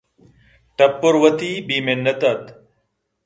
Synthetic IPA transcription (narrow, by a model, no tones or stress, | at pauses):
ʈɐpːoɾwɐt̪iːbiːmenːɐt̪ɐt̪